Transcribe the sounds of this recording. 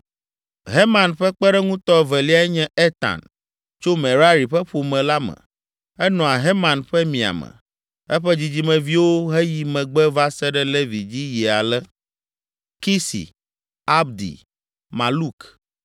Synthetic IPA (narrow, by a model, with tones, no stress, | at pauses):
ɦe˦mã˨nɸɛ˦k͡pɛ˦ɖɛ˦ŋũ˦t̪ɔ˦vɛ˨li˦a˨˦ɛ˦ɲɛ̃˦e˦t̪ã̰˨n | t͡ʃo˦mɛ̃˨ɾa˦ɾi˨ɸɛ˦ɸo˨mɛ̃˨la˦mɛ̰̃˨ | ɛ˦nɔ̃˨a˨ɦe˦mã˨nɸɛ˦mĩ˨a̰˨mɛ̰̃˨ | ɛ˦ɸɛ˦d͡ʑi˦d͡ʑi˦mɛ̃˨vi˦wo˦ɦɛ˦ji˨mɛ̃˨ɡ͡bɛ˦va˦sɛ˦ɖɛ˦le˦vi˨d͡ʑi˦jɛ˨a˨lɛ˦ | ki˦sḭ˨ | a˦bd̪ḭ˨ | mã˨lu˦k